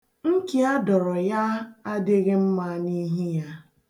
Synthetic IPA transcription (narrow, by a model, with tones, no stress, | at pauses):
ŋ̩˦ki˨a˦dɔ˨ɾɔ˨ja˦a˦de˦ɣɪ˦m̩˦ma˦ni˦ɦi˦ja˦